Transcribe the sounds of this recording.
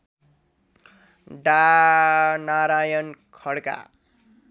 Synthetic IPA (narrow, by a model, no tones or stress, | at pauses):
ɖa | naɾajʌnkʰʌɽka̰